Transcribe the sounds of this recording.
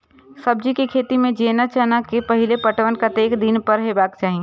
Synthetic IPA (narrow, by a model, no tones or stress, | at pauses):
sɐb̚d͡ʒikikʰeːt̪imẽd͡ʒeːnat͡ʃənakepɐɦɪlepɐʈʋənkat̪eːkd̪ɪnpɐɾɦebaːkt͡ʃaːɦie